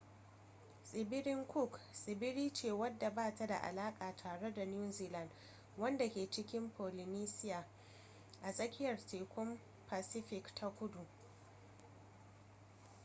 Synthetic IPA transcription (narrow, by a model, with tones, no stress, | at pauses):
sʼɪ˨bɪ˦ɾɪ˦ŋkʷʊ˦˨ksʼɪ˨bɪ˦ɾiː˦t͡ʃeː˦˨wɐ˦dːa˨baː˦ta˨da̰˨ʔa̰˨laː˦kʼaː˨tʰaː˨ɽe˦da˨n˦uː˦ziː˨lɐ˨n | wɐ˦nda˨kʲeː˨t͡ʃɪ˦kʲɪ˦mpoː˨lɪ˨niː˦sɪ˦jaː˨ | ʔa˨sʼɐ˦kʲɪ˦jɐ˨rteː˨kʷʊ˦m | paː˨sɪ˦ɸɪ˨ktʰa˦kʷʊ˦du˨